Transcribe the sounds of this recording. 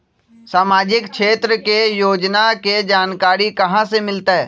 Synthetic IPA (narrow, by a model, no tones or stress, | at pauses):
saːmaːd͡ʒɪkʃeːt̪ɾəkejoːd͡ʒnaked͡ʒaːnkaːɾikɐɦãsemɪlt̪aɦɛː